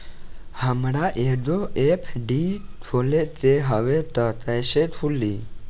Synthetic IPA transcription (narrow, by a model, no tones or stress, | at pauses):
həmɽaʔed̪oepʰɖit̪ʰolet̪eɦəʋeʈ̪ət̪əjʃet̪ʰuli